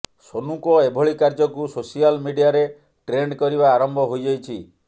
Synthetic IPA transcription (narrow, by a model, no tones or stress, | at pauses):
sonukɔebʱɔɭikaɾd͡ʒɔkusosialmiɖijaɾe | ʈɾeɳɖkɔɾiβaːɾɔmbʱɔɦojd͡ʒajt͡ʃʰi